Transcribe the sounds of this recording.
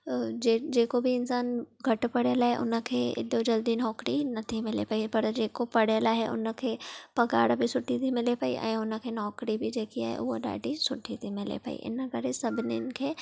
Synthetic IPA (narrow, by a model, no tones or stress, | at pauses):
d͡ʒeːd͡ʒeːkobʱiɪnsaːnɡʱɐʈpɐɽelaɦɛʔʊ̰nə̃kʰeɪ̰d̪od͡ʒɐld̪inɔːkɾinɐt̪ʰĩmɪlḛpaːipɐɾd͡ʒeːkopɐɽelaɦɛʔʊ̰nkʰepɐɡa̰ːɽbʱisʊʈʰːit̪ʰimɪlepaːḭʔã̰ʊnə̃kʰenɔːkɾibʱid͡ʒeːkia̰ːḛʔʊoɖa̰ːɖisʊʈʰːit̪ʰimɪlḛpa̰ːḭʔɪ̰nəɡɐɾesɐbneɪnkʰeː